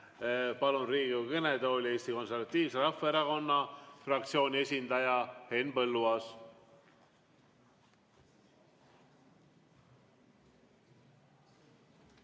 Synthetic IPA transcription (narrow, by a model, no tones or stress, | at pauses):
pɑlunriːɡikəned̪oːlʲie̞ːst̪iko̞nservɑt̪ːˑiːvseɾɑfːɑeɾɑko̞nːɑfrɑk̚t̪sio̞ːnʲie̞sʲind̪ɑjɑhe̞nːpɤlːuɑs